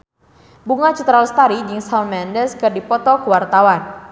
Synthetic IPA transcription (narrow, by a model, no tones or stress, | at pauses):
buŋat͡ʃut̪ɾalst̪aɾid͡ʒiŋsanmɛndɛskɨrdipɔt̪ɔkəwart̪awan